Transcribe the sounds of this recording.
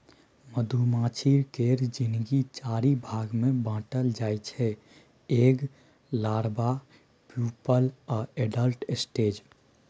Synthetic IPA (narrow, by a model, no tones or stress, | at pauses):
məd̪ʱumãːt͡ʃʰiɾkeːɾd͡ʒɪnɡit͡ʃaːɾibʱaːɡmẽbãːʈəld͡ʒaːjt͡ʃʰɛ | eːɡ | laːɾba | pjuːpəlɔːeːɖəlʈsʈeːd͡ʒ